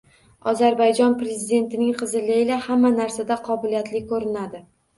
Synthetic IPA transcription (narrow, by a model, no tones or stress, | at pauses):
ɒzaɾbajd͡ʒɒnpɾe̞zɪd̪e̞nt̪ɪnɪŋqʰɨzɪlɪɪlahamːanaɾsad̪aqʰɒbɪlijat̪lɪkʰɵɾɪnad̪ɪ